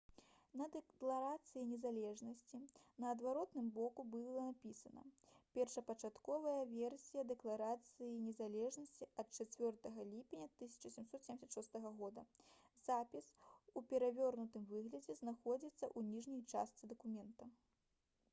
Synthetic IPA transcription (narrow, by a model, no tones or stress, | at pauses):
nɐd̪ɛklˠaɾat̪sɨjinʲɛzalʲɛʐnɐsʲt͡sʲinɐːd̪vaɾɔt̪nɨmbɔkubɨlˠɐnapʲisɐnɐ̰pʲɛrʂɐpɐt͡ʂat̪kɔvɐjɐvʲɛrsʲijɐd̪ɛklˠaɾat̪sɨjinʲɛzalʲɛʐnɐsʲt͡sʲiɐt̪̚t͡ʂat͡sʲvʲɔrt̪ɐɣɐlʲipʲenʲɐt̪ɨsʲɐ̥t͡ʂɐsʲɛmsɔt̪sʲemʲsɐt̪ʂɔst̪ɐɣɐɣɔd̪ɐ | zapʲisupʲɛɾavʲɔrnut̪ɨmvɨɣlʲɐd͡zʲɛznaxɔd͡zʲit̪sːɐʔunʲiʐnʲɐjt͡ʂa̰st̪sɨd̪ɐkumʲɛnt̪ɐ